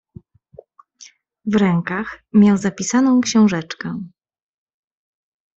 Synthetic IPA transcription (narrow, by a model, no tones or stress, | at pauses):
vɾɛŋkaxmʲjawzapʲisanɔ̃w̃kɕɛ̃w̃ʐɛt͡ʂkɛ̃